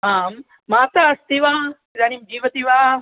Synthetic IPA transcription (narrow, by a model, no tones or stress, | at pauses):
aːmː | aːt̪aɐst̪iʋaː | ɾaːnimd͡ʒiːʋɐt̪iʋaː